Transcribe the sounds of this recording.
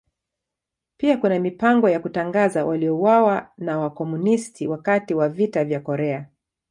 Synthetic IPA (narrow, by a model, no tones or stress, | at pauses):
piakunamipaŋɡɔjakutaŋɡazawʔaliɔuwawanawakɔmunistʰiwakatiwavitavjakɔɾɛa